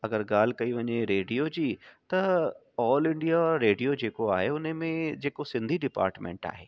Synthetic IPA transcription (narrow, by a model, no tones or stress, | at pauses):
ɐɡəɾɡaːl̤ɪ̆kɐiʋɐɲeɾeːɖijod͡ʑiːt̪ɐ | ɔːlɪ̃ɳɖijaɾeːɖijod͡ʑeːkoaːɦeʊnəmẽd͡ʑeːkosɪ̃nd̪ʱiɖɪpa̰ːɾʈmḛ̃ːɳʈa̰ːɦeː